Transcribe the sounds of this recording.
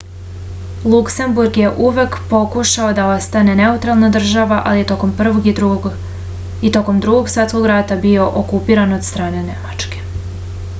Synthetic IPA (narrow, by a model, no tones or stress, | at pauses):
lˠukse̞mbuɾɡje̞ʔuʋe̞kpo̞kuʃao̞d̪ao̞st̪ane̞ne̞ut̪ɾalˠnad̪r̩ʒaʋaʔa̰lije̞t̪oko̞mpr̩ʋo̞ɡi | it̪o̞ko̞md̪ɾuɡo̞ɡsat̪sko̞ɡɾat̪abio̞ʔokupiːɾanod̪st̪ɾaːne̞ne̞mat͡ʃke̞̥